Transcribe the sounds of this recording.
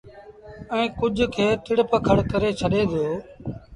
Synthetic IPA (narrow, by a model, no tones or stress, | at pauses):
ɛ̃ːkʊd͡ʒʱkʰeːt̪ɪɽpəkʰəɽkəɾeːt͡ʃʰəɗeːd̪oː